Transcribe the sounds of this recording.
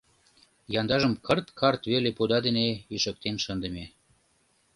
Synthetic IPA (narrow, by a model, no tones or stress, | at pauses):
jɑnd̪ɑʒə̆mkʰərt̪kʰɑrt̪βelepod̪ɑd̪eneyʃə̆k̚t̪enʃənd̪ə̆mʲe